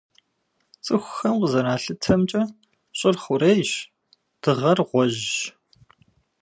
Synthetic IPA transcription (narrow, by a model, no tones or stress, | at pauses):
t͡sʼɨxʷxɐmqəzɐɾaːɬɨtʰɐmt͡ʃʼɐ | ɕʼɪrχʷʊɾeːjɕ | d̥ɨʁɐrʁʷɔʑ